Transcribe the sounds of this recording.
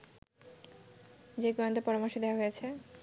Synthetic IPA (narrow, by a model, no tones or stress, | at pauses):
d͡ʑeɡɔnd̪opɔɾamɔɾʃod̪eoaɦojet͡ɕʰe